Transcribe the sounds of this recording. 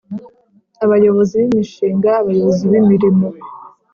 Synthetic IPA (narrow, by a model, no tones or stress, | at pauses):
aβajo̞βo̞ziβimiʃiːŋɡaːβajo̞βoziβimiɾimo̞